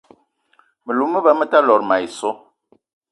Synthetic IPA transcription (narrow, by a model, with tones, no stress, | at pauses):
mə˨lu˨˦mə˦bə˨mə˦ta˦lɔ˨ɾma˨i˨sɔ˦